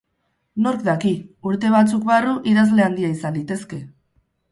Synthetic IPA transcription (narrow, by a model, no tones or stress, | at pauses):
no̞ɾkd̪akiuɾt̪e̞β̞at͡sukβaruʔiðazle̞and̪iaisand̪it̪e̞ske̞